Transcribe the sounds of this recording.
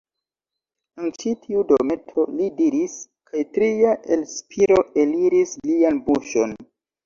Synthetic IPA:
ant͡ʃitʰiudome̞tʰo̞lidiɾis | kʰajtɾiaʔelspiɾoe̞liɾislianbuʃon

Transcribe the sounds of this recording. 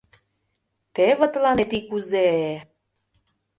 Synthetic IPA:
t̪eβə̆t̪lɑnet̪ikuze

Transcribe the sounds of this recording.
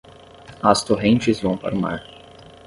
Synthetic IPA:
ɐst̪oɦẽnt͡ʃɪzvɐ̃w̃pa̰ɾma̰ɾ

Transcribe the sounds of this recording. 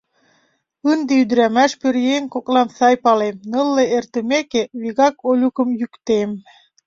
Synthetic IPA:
ɯnd̪eyd̪ɾæmæʃpøɾjeŋkoklɑmsɑjpɑlemnɤlːeert̪ə̆mekeβiɣɑkolʲukə̆mjykt̪em

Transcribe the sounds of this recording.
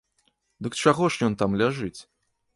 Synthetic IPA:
d̪ɨkt͡ʂaɣɔʂjɔnt̪amlʲaʐɨt͡sʲ

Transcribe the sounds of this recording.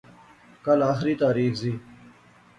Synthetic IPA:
kɐlaːxɪɾiːt̪aːɾiːxziː

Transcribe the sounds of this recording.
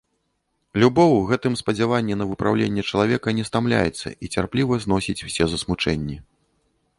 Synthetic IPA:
lʲubɔwɣɛt̪ɨmspɐd͡zʲavanʲːɛnɐvɨpɾawlʲenʲːɛt͡ʂɐlˠavʲɛkɐnʲɛst̪amlʲa̰jɛ̰t̪sːɐ̰it͡sʲarplʲivɐzn̪ɔsʲit͡sʲw̥sʲɛzɐsmut͡ʂɛnʲːi

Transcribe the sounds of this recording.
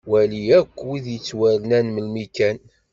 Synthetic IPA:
wæliækʷːwiðjət͡sːwælnænməlmikæn

